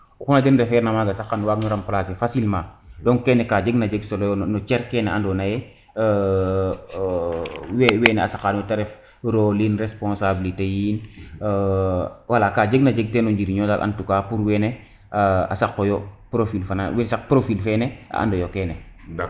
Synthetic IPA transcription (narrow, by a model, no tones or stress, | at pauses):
ukunad͡ʒenɾɛfɛɾnamaːɡasakːanwaːɡnuɾamplasefasilmãːdɔŋkɛːnɛkaːd͡ʒeɡnad͡ʒeɡsɔlɔjɔnɔt͡ʃɛɾkɛːnɛandɔnajɛ | wɛwɛːnɛa̰sakːanutaɾɛf | ɾoliːnɾespõnsabilitejiːn | walakaːd͡ʒeɡnad͡ʒeɡ̚tenɔɲd͡ʒiɾiɲɔdalʔa̰ntukaːpuɾwɛnɛ | a̰sakːojɔpɾofilfanawsakpɾofilfɛnɛa̰ʔa̰ndɔjokɛːnɛ